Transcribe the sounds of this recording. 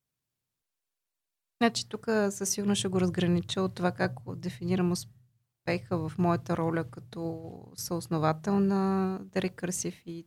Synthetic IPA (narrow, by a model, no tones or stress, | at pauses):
nat͡ʃi̥t̪ukəsəsiɡʊɾnoʃɛɡoɾəzɡɾɐnit͡ʃiot̪ːovakakd̪ɛfiniɾəmʊs | pɛxəvɐfmɔjət̪əɾɔlʲəkɐt̪ɔsəosnovat̪ɛlˠnəd̪ɐɾɛkəɾsifi